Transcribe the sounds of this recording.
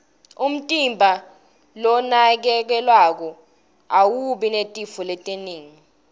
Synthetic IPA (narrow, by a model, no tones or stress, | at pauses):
um̩tʼimbʱa | lɔnak̬ɛk̬ɛlwak̬ɔ | awuɓinetʼifɔlɛtʼeniːŋi